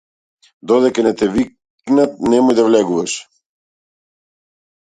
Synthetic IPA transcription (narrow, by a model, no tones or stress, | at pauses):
d̪ɔd̪ɛkanɛt̪ɛvi | knat̪̚nɛmɔjd̪avlɛɡuvaʃ